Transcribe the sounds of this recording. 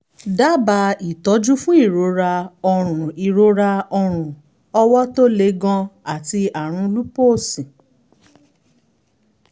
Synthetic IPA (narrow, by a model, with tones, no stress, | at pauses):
da˦ba˧i˨tɔ˨˦d͡ʒu˦fũ˦i˦˨ɾo˨˧˦ɾa˧ɔ˧ɾ̃ũ˨i˨ɾo˧ɾa˧ɔ˧ɾ̃ũ˨ | ɔ˧wɔ˦to˦le˧˦ɡɔ̃˧a˨ti˧a˨ɾ̃ũ˧lu˦po˦˨sĩ˨